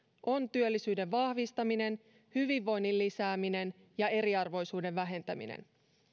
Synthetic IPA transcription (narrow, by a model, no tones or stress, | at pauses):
ʔo̞nt̪yølːisyːde̞ʋʋɑhʋist̪ɑmine̞n | hyʋiʋːo̞jnːilːisæːmine̞n | jɑe̞ɾiɑrʋo̞jsuːde̞ʋʋæɦe̞nt̪æmḭnḛn